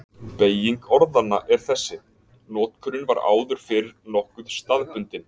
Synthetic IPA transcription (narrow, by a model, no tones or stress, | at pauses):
peːjiŋkɔɾðanːaʔɛɾ̥θɛsːɪ | nɔːt̪kʰʏɾʏnvaɾa̰ːwðʏɾ̥fɪɾɪɾnɔhkʏð̥st̪aðpʏnt̪ɪn